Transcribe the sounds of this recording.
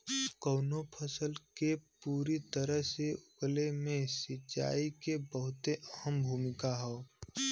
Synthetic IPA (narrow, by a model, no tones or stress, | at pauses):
kəʊnopʰəsəlkepuːɾit̪əɾəɦseʊklemẽsɪt͡ʃːa̰ːikebəɦʊt̪eəɦəmbʱuːmɪkaɦɛː